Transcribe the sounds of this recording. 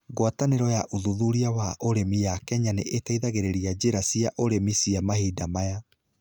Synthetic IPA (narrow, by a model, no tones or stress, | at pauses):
ɡwataneɾɔjaʔuðuðuɾiawaʔoɾemijakɛɲaneʔetaiðaɣeɾeɾiad͡ʑeɾasiaʔoɾemisiamahiːdamaja